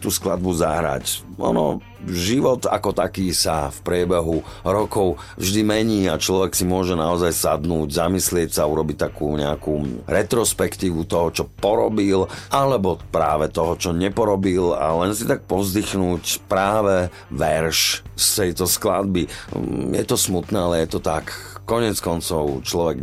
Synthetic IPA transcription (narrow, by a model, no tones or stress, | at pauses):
t̪uːsklad̪̚buza̰ɦɾa̰c | ʔɔ̰nɔ̰ | ʒiʋɔt̪a̰kɔt̪akiːsafpɾɪɛbɛɦuɾɔkɔʊ | vʒd̪imɛɲiːat͡ʃlɔʋɛksimʊɔʒɛnaɔzajsad̪nuːɟzamislɪɛcsaːuɾɔbic̚t̪akṵːɲɛ̰akuːɾɛt̪ɾɔspɛkt̪iːʋut̪ɔɦɔt͡ʃɔpɔɾɔbilʔalɛbɔpɾa̰ːʋɛt̪ɔɦɔt͡ʃɔɲɛpɔɾɔbila̰lɛnsit̪ak̚pɔzd̪ixnuːcpɾaːʋɛ | ʋɛɾʃst̪ɛjt̪ɔskla̰d̪̚bijɛ̰t̪ɔsmut̪nɛːalɛjɛt̪ɔt̪akːɔɲɪɛt͡skɔnt͡sɔʊt͡ʃlɔʋɛɡ